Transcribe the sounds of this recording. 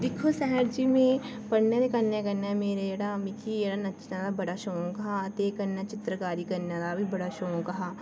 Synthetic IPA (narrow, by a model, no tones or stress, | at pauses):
d̪ɪkʰosɛɦɛɾd͡ʒimẽ | pɐɽneɾekɐnekɐɾnameːɾeeːɽamɪkʰieːɽanɐt͡ʃnad̪abɐɽaʃõːkɐɦat̪eːkɐɾnat͡ʃɪt̪ɾəkaːɾikɐɾnad̪abʱibɐɽaʃoːõkɐɦaː